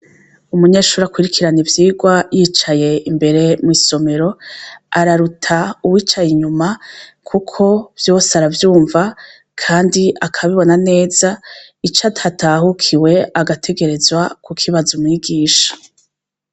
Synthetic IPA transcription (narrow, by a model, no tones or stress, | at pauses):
umuɲe̞ːʃuːɾakwiɾikʰiɾanivjiːɡwajiːt͡ʃaje̞imbe̞ɾe̞mŋiːso̞me̞ɾo̞aɾaɾutʰauwiːt͡ʃajiɲumakʰukʰo̞v̥jo̞ːseaɾavjuːɱva | kʰaːndiakʰaβiβo̞nane̞ːza | it͡ʃatʰatʰaɦukʰiwe̞aɡatʰe̞ɡe̞ɾe̞zwakukʰiβazumŋiɡiːʃḁ